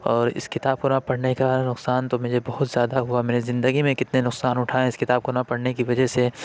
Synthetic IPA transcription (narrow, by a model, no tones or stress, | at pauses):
ɔːɾɪ̰skɪt̪aːb̚konapɐɽnekanʊqsaːnt̪omɛ̃ːd͡ʒebɐɦʊt̪z̥jaːd̪aɦʊamɛːnezɪ̃nd̪əɡimẽkɪt̪nenʊqsaːnʊʈʰaːẽɪskɪt̪aːb̚konapɐɽnekiʋɐd͡ʒəse